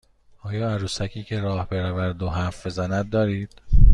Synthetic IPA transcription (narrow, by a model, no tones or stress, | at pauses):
ɒːjɒːæɾuːsæcʰiːcʰe̞ɾɒːhbeɾævæɾd̪oɦæfbe̞zænæd̪̚ːɒːɾiːd̪̥